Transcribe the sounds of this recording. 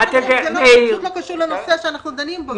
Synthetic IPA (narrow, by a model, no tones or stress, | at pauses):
at̪emseelokaʃuʁlenoseaʃeanaχnud̪animbo